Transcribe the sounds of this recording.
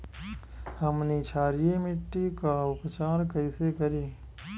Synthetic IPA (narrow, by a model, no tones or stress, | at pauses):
hɐmnit͡ʃʰaːɾijemɪʈːikaʊpt͡ʃaːɾkəɪsekəɾiː